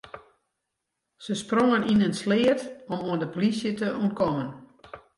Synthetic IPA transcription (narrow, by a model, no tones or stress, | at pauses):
səsproŋəninənslɪːətɔmoəndəpolisjətəuəntkɔmən